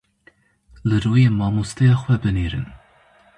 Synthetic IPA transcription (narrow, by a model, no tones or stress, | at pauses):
lɨɾuːjeːmɑːmust̪ʰɛjɑːxwɛbɨniːɾɨ̰n